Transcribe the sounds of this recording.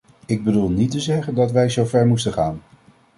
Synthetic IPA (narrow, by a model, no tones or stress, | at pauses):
ɪɡ̚bədulˠnitəzɛχəndɑtʋɛjzowvɛɹmustəχaːn